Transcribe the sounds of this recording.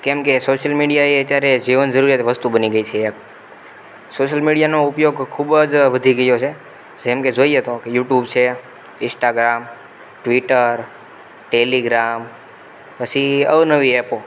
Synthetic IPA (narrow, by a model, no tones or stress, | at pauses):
kemkesoʃəlmiɽijaeət̪jaɾed͡ʒiʋənd͡ʒəɾuɾiɦət̪ʰeʋəst̪ubəniɡəit͡ʃʰeːk | soʃəlmiɽijanoupjoɡkʰubəd͡ʒʋəd̪ʱiɡəjot͡ʃʰe | d͡ʒemked͡ʒoiet̪okejuʈjubt͡ʃʰe | ɪ̃sʈaɡɾam | ʈʋiʈəɾ | ʈeliɡɾam | pət͡ʃʰiəʋnəʋiepo